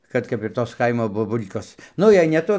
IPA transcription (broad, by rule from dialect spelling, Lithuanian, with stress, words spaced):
ˈkɐt kɐp ɪr ˈtoːs ˈkɐɪmoː boːˈbʊlʲkoːs ˈnʊ jɛɪ nʲɛ ˈtʊ